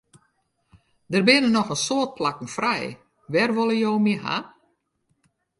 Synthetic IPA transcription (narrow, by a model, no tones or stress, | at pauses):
dərbɪnənɔxənsoət̚plakn̩frɛj | ʋɛrʋolˠəjowmiɦa̰